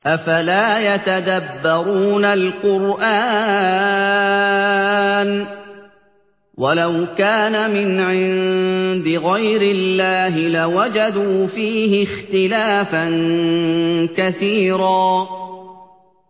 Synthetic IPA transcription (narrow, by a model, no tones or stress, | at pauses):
ʔafalaːjat̪ad̪abːɑɾuːnalqʊɾʔaː | n | walawkaːnamɪnʕɪnd̪ɪɣajɾɪlːaːɦɪlawad͡ʒad̪uːfiːɦɪxt̪ɪlaːfan | kaθiːɾaː